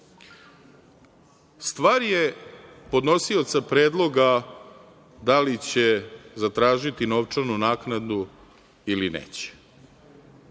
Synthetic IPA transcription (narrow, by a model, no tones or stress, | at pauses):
st̪ʋaːɾjepo̞d̪no̞sio̞t̪sapɾeːd̪lˠo̞ɡa | d̪alit͡ɕe̞zat̪ɾaːʒit̪ino̞ʋt͡ʂanunaːknad̪u | ilinḛːt͡ɕe̥